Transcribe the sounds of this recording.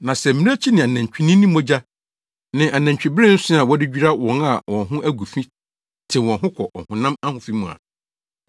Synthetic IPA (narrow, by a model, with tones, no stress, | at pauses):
nã˨sɛ˨m̩˦mĩ˦ɾɛ˦t͡ɕʰi˦nɪ̃˨a˨næ̃˨ɲ˨t͡ɕᶣi˨˦nɪ̃˦nːĩ˦mõ˦d͡ʑa˦ | nɪ̃˨ʔa˨næ̃˨ɲt͡ɕᶣi˨bɪ˦ɾɪ̃˦n̩˦sʊ̃˦a˨wɔ˦dɪ˦d͡ʑᶣi˦ɾa˦wɔ̃˨na˨wʔɔ̃˨nɦʊ̃˦ʔæ˦ɡu˨fĩ˦ | tʰɪ̃˨wɔ̃˨nɦʊ̃˦kʰɔ˨ʔɔ̰˨hʊ̃˨nã˦ma˦hʊ̃˨fi˦mũ˨a̰˨